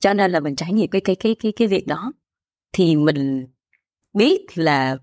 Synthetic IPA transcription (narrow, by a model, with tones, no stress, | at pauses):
t͡ɕɔ˧ne˧nlaː˨˩mï˨˩ŋ̟t͡ɕaː˨˧˦jŋḭ˧˨əmkaː˨˦jkaː˨˦jkaː˨˦jkaː˨˦kaː˨˦jvi˨˩ək̚ɗɔ˨˦ | t̪ʰi˨˩mï˨˩ŋ̟ | ɓi˦˥ət̚laː˨˩